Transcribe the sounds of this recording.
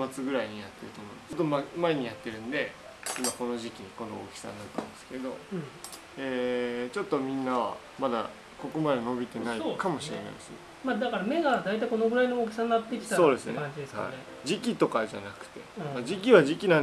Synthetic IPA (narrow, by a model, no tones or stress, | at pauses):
mat͡sɨɡɯ̟ɾaiɲ̟ijat̪ːe̞ɾɯ̟t̪o̞ːmo̞ḭ̃nst̪ːomamae̞ɲ̟ijat̪ːe̞ɾɯ̟̃nd̪e̞ | imako̞no̞ʑikʲiɲ̟iko̞no̞o̰kʲi̥sa̰nːatt̪ːẽmsɨ̥keed̪o̞̰ | eːt͡ɕo̞t̪ːo̞mʲĩnːaβ̞a̰ | mad̪a̰ | ko̞ko̞mad̪e̞no̞bʲit̪e̞naikamo̞ɕiɾe̞na̰jd̪esɨne | mad̪akaɾame̞ɡad̪ait̪aiko̞no̞ɡɯ̟ɾainooːkʲi̥sanːat̪ːekʲi̥t̪aso̞ːd̪e̞sɨneãɲd͡ʑid̪esha̰ḭe | d͡ʑikʲit̪o̞kaʑa̰nakɯ̟̥t̪e̞̰mad͡ʑikʲiβaʑikʲinãn